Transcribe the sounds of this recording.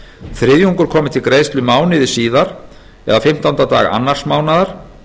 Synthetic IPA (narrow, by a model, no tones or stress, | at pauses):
θɾɪðjuŋkʏɾ̥kʰɔːmɪt̪ʰɪlkɾeːjst̪lʏmaːwnɪðɪ̥siːðaɾ̥ | ɛ̰ðafɪm̥t̪ant̪at̪a̰ːɣa̰nːar̥smaːwnaðaɾ̥